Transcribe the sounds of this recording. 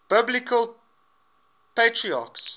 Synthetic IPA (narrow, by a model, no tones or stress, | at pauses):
b̥ɪblɪkʰəl | petʰɹia̰ːks